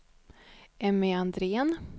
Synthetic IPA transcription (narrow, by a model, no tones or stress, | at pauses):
ɛmeand̪ɾeːən